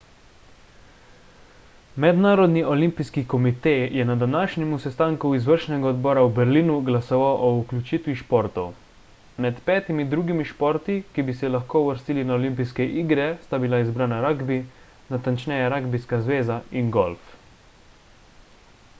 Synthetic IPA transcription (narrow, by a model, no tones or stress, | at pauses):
mɛd̪naːɾɔd̪niɔlimpijskikɔmit̪ejjɛnad̪anaːʃɲɛmusɛst̪aːŋkuizʋəɾʃnɛɡaɔd̪bɔːɾaubɛɾliːnuɡlasɔʋawʔɔuklʲut͡ʃiːt̪ʋiʃpɔɾt̪ɔw | mɛt̪pɛːt̪imid̪ɾuːɡimiʃpɔɾt̪ikibisɛlaxkoːuʋəɾst̪iːlinaɔlimpiskɛʔiːɡɾɛst̪abilaizbɾaːnaɾaɡbi | nat̪ant͡ʃnɛjaɾaɡbiskazʋeːzainɡɔlf